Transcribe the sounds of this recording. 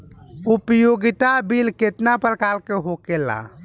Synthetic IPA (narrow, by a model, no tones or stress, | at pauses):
upjoɡit̪abilket̪napəɾkalkeɦokela̰